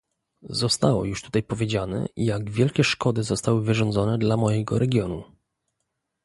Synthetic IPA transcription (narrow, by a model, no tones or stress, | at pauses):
zɔst̪awɔ̰juʂt̪u̥t̪ajpɔvʲjed͡ʑanɛ̰ijaɡvʲjɛlkʲɛʂkɔd̪ɘzɔst̪awɘvɘʐɔnd̪zɔnɛd̪lamɔjɛɡɔ̰ɾɛɡʲjɔnṵ